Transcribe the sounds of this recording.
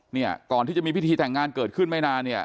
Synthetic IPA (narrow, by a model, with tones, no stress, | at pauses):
ni˥˩ɐkɔː˨˩nt̪ʰiː˥˩t͡ɕa˨˩miː˧pi˥˩t̪ʰiː˧t̪ɛ˨˩ŋːaː˧nkɤː˨˩t̪̚kʰɯ˥˩nma˥˩jnaː˧nːi˥˩ɐ